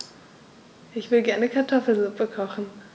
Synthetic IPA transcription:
ʔɪçv̥ɪlɡɛɐnəkʰaɐtʰɔfl̩zʊpəkʰɔχn̩

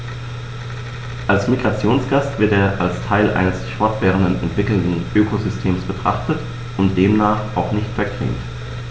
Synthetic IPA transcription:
ʔalsmiɡʁat͡sjoːnsɡ̥astv̥ɪɐteːɐʔalstʰaɪlʔa̰ɪnəsfɔɐtv̥ɛːʁəndənɛ̰ntv̥ɪkl̩ndn̩ʔøːkʰozʏstʰeːmsb̥ətʁ̥a̰χtət | ʔʊntd̥eːmnaːχʔa̰ʊxnɪçtfɛɐkʁ̥ḭːmt

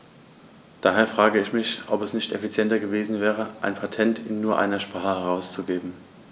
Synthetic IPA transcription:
d̥aːɦeːɐfʁ̥aːɡəɪçmɪçʔɔpɛsnɪçtɛfit͡sjɛntɐɡəveːzn̩vɛːʁ̞əʔa̰ɪnpʰatʰɛntʰɪnːuːɐʔa̰ɪnɐʃpʁ̥aːχəhɛʁaʊst͡suɡeːbm̩

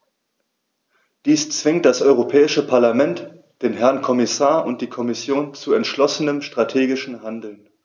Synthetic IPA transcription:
d̥iːst͡sv̥ɪŋt̚d̥asʔɔʏʁ̞opʰɛːɪʃəpʰaɐlamɛnt | d̥eːnɦɛɐnkʰɔmɪsaːɐʔʊnt̚d̥iːkʰɔmɪsjoːnt͡suɛntʃlɔsənəmʃtʁ̥atʰeːɡɪʃn̩ɦandl̩n

